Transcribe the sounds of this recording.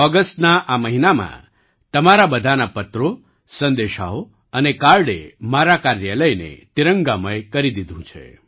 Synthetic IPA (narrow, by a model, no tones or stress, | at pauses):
ɔɡəsʈnaʔaməɦinamã̰ | t̪əmaɾabəd̪ʱanapət̪ɾo | sə̃nd̪eʃa̰ɦo | ənekaɾɽemaɾakaɾjələjnḛt̪iɾəŋɡaməjkəɾid̪id̪ʱũt͡ʃʰḛ